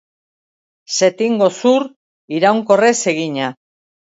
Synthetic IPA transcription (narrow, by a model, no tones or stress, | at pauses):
se̞t̪iŋɡo̞suɾ | iɾawŋko̞re̞se̞ɣiɲa